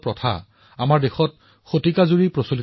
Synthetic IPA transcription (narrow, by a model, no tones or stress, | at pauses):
pɹɔtʰa̰ | amaɹdexɔt̚ | xotikazuɹipɹosolit